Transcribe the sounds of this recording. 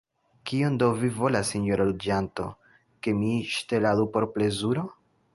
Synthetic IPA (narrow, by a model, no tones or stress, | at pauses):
kio̞ndowvivo̞lasiɲoɾalud͡ʒanto̞̰ | ke̞miʃte̞ladupo̞ɾple̞zuɾo̞